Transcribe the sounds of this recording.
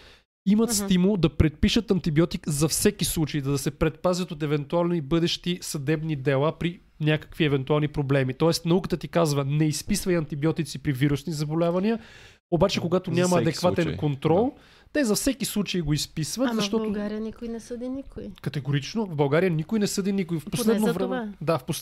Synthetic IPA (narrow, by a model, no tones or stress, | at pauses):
imət̪st̪imulˠd̪ɐpɾɛt̪̚piʃət̪ɐnt̪ibiɔt̪ikzɐfsɛkislˠut͡ʃəid̪ɐd̪ɐsɛpɾɛt̪̚pazʲət̪ot̪ɛvɛnt̪ualˠnibɤd̪ɛʃt̪isɐd̪ɛbnid̪ɛlˠapɾi | nʲakə̥kviɛvɛnt̪ualˠnipɾoblɛmit̪ɔɛst̪nɐukət̪ət̪ikazvənɛispisvɐjɐnt̪ibiɔt̪it̪sipɾiviɾusnizɐbolʲavɐniə | obat͡ʃɛkoɡat̪onʲamɐːd̪ɛkvaɛnkont̪ɾɔlˠ | t̪ɛzɐfsɛkislˠut͡ʃəiɡoispisvət̪zɐʃt̪ɔt̪oaɾinikʊjnɛsəd̪inikʊjkɐt̪ɛɡoɾit͡ʃnovbɐlˠɡaɾijənikʊjnɛsɤd̪inikʊifposlɛnovɾmɛd̪afpos